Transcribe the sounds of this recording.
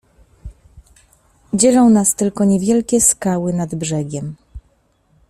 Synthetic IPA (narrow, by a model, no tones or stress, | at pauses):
d͡ʑɛlɔ̃w̃nast̪ɘlkɔɲɛvʲjɛlkʲɛskawɘnad̪bʐɛɡʲɛm